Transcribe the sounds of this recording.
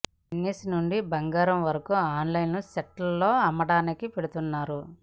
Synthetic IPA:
inːisnuɳɖibɐŋɡaːɾɐmʋɐɾɐkuaːnlɐjnnuseʈlɐlo̞ːɐmɐɽaːnikipeɽut̪unːaːɾu

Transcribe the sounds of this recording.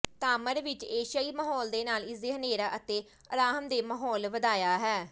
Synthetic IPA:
t̪aːməɾʋɪt͡ʃeːʃaːiːməɦɔːld̪eːnaːlɪseːɦəneːɾaːʔət̪eː | əɾaːɦmd̪eːməɦɔːlʋəd̪aːjaːɦɛː

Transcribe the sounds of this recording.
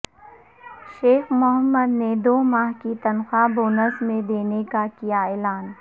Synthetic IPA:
ʃeːxmʊɦəmːəd̪ned̪oːmaːɦkit̪ɐnxaboːnəsmẽd̪eːnekakijaeːlaːn

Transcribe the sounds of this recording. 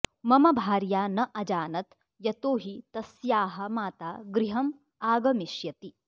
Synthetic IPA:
mɐmɐbʱaːɾjaːnɐʔɐd͡ʒaːnɐt̪ | jɐt̪oːɦit̪ɐsjaːɦɐ̆maːt̪aːɡɾiɦɐm | aːɡɐmiʃjɐt̪i

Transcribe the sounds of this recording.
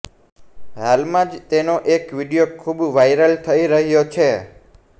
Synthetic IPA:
halmãd͡ʒt̪enoʔekʋiɽijokʰubʋajɾəlt̪ʰəiɾəɦjot͡ʃʰe

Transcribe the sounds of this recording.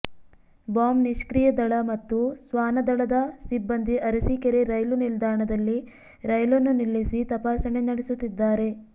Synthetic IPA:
baːmniʃkɾijɐd̪ɐɭɐmɐt̪ːusʋaːnɐd̪ɐɭɐd̪ɐsibːɐnd̪ʱiʔɐɾɐsikeɾeɾɐjlunild̪ʱaːɾɳɐd̪ɐlːi | ɾɐjlonːunilːisit̪ɐpaːsɐɳenɐɽesut̪ːid̪ːaːɾe̞

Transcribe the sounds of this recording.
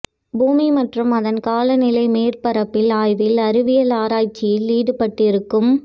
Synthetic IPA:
buːmimɐʈrɯmɐðɐnkaːlɐnɪlɐɪmeːrpɐɾɐpːɪlaːjʋɪlɐɾɯʋɪjɐlaːɾaːjt͡ʃːɪjɪlːiːɽɯpɐʈːɪɾɯkːɯm

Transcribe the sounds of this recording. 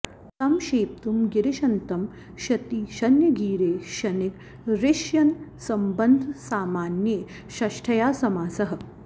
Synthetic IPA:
t̪ɐmʃeːp̚t̪umɡiɾiʃɐnt̪ɐm | ʃɐt̪iʃɐnjɐɡiːɾeːʃɐnik | ɾeʃjɐnsɐmbɐnd̪ʱsaːmaːnje | ʃɐʃʈʰɐjaːsɐmaːsɐɦɐ̆

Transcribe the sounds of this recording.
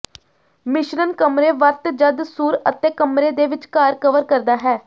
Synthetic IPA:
mɪʃɾənkəmɾeːʋəɾt̪d͡ʒəd̪suːɾət̪eːkəmɾeːd̪eːʋɪt͡ʃkaːɾkəʋəɾkəɾd̪aːɦɛː

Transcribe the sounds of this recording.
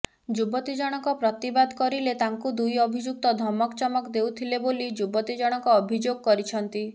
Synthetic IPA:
d͡ʒubɔt̪id͡ʒɔɽ̃ɔkɔpɾɔt̪ibad̪kɔɾilet̪aŋkud̪ujɔbʱid͡ʒuk̚t̪ɔd̪ʱɔmɔkt͡ʃɔmɔkd̪ewt̪ʰilebolid͡ʒubɔt̪id͡ʒɔɽ̃ɔŋkɔːbʱid͡ʒoɡ̚kɔɾit͡ʃʰɔnt̪i

